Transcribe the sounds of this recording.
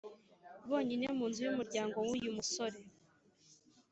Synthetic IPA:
βo̞ːɲinemuːnzujumuɾɟaːŋɡo̞wujumuso̞ɾe

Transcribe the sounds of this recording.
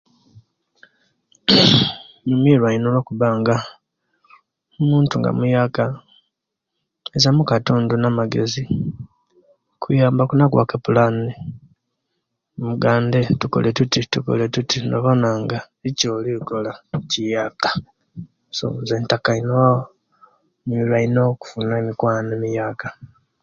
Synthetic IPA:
ɲumiɾwainolokuβaːŋɡa | omuːntuŋɡa̰mujaka | ezamukatuːndonamaɡe̞zi | kʰujaːmbakunakwa̰kepulani | muɡaːnde̞tuko̰lʔetutituko̰letutinoβonaŋɡa | icoːliko̞lacijaːkḁ | so̰zeːntakaino | milwainoku̥funaemikwaːnemijaːka

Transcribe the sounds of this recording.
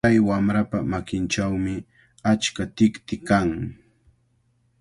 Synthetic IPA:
ajwamɾapamakɪnt͡ʃawmɪ | at͡ʃkat̪ɪkt̪ɪkaŋ

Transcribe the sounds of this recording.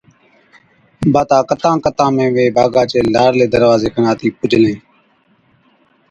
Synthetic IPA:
baːt̪ãːkət̪ãːkət̪ãːmẽːʋeːbʱaːɡaːt͡ʃeːlaːɽleːd̪əɾʋaːzeːkʰənaːt̪ʰiːpʊd͡ʒʱlẽː

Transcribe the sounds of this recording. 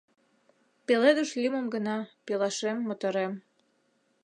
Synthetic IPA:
peled̪əʃlʲimə̆mɡə̆nɑpelɑʃemːot̪ɤ̆ɾem

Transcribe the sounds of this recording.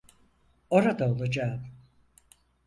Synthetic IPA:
o̞ɾad̪aolˠad͡ʒaːm

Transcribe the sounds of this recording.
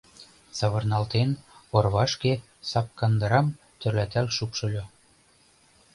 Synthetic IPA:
sɑβɤ̆rnɑlt̪enorβɑʃke | sɑp̚kɑnd̪ɤ̆ɾɑm | t̪ø̆rlæt̪ælʃupʃɤ̆lʲo

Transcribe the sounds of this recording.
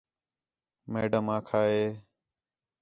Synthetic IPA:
mḛːɖəmãːkʰaːɦeː

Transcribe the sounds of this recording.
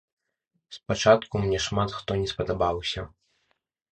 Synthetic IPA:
spat͡ʂat̪kumnʲɛʂmat̪xt̪ɔnʲɛspɐd̪abawsʲɐ

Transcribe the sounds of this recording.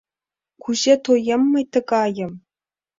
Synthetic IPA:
kuʑet̪ojemːɤ̆jt̪ɤ̆ɡɑjɤ̆m

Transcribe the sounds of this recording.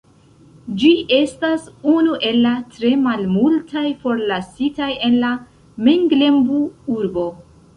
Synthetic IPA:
d͡ʒiʔe̞stasunuʔe̞lːatɾe̞malmultʰajfo̞ɾlasitaje̞nla | meŋɡle̞mbuuɾbo̞

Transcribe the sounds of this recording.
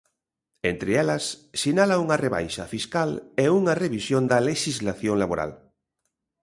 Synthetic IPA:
ent̪ɾɪɛlɐsːinalɐuŋɐreβa̰jʃɐ̰fiskalɛuŋɐreβisjond̪ɐleʃizlaθjoŋlaβoɾa̰l

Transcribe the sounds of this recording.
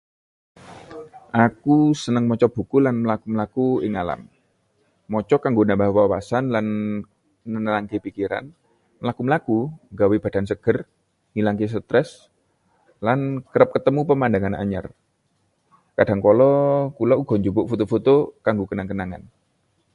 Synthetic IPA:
ʔakusənəŋmɔt͡ʃɔb̥ṳkulanməlakuməlakuɪ̰ŋala̰mː | ɔt͡ʃɔkaŋɡonambahwawa̰sanlanː | ənəlaŋkepikiɾa̰n | məlakuməlakuŋɡaweb̥a̤d̥a̤nsəɡ̥ər | hilaŋkes̬ət̪ɾɛs | lankəɾəp̚kət̪əmupəmandaŋana̰ɲə̰r | kad̥a̤ŋkolɔkulauɡ̥ɔ̤ɲd͡ʒubʊʔfot̪ofot̪okaŋɡokənaŋkənaŋa̰n

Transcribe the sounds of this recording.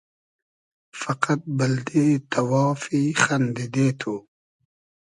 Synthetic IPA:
fɐqat̪̚bɐld̪it̪ʰɐwɑːfixɐnd̪id̪eːt̪ʰu

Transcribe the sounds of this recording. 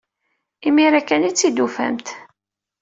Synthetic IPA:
imiɾækːænit͡sːid̪ufæ̰mt̪

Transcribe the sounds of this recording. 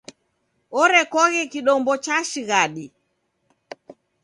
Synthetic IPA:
ɔɾɛkɔɣɛkiɗɔmbɔt͡ʃaʃiɣaɗi

